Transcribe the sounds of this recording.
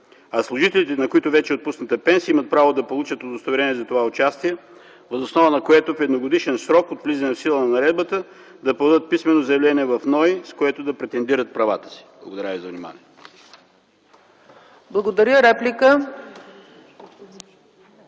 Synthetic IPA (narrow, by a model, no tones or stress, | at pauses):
ɐslˠʊʒit̪ɛlit̪ɛnɐkoit̪ʊvɛt͡ʃɛot̪pusnət̪əpɛnsiimət̪̚pɾavod̪ɐpolˠut͡ʃət̪od̪ost̪ɐvɾɛniɛzɐt̪ovaot͡ʃast̪iɛ | vəzosnɔvənɐkoɛt̪ofɛd̪noɡod̪iʃɛnsɾɔkot̪vlizɐnɛfsilˠənnɐɾɛd̪̚bət̪ə | d̪ɐpɾod̪ət̪̚pismɛnozɐjɛvlɛniɛvɐfnɔjskoɛt̪od̪ɐpɾɛt̪ɛnd̪iɾət̪̚pɾɐvat̪ə̥si̥blˠɐɡod̪ɐɾʲavizɐvnima̰nḭɛ | blˠɐɡod̪ɐɾʲjəɾɛplʲikə